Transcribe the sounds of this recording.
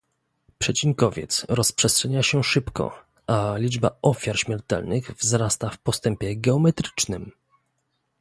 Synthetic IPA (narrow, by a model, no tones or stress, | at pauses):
pʂɛt͡ɕiŋkɔvʲjɛ̰t̪sɾɔspʂɛstʂɛɲaɕɛʂɘpkɔ̰ | ʔalʲid͡ʐba̰ɔfʲjaɾɕmʲjɛɾt̪ɛ̰lnɘɣvzɾast̪afpɔst̪ɛmpʲjɛɡɛɔmɛt̪ɾɘ̥t͡ʂnɘm